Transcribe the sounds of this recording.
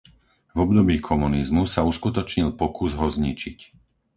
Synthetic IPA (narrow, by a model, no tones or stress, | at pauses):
vɔbd̪ɔbiːkʰɔmunizmusauskut̪ɔt͡ʃɲilpɔkuzɦɔzɲit͡ʃic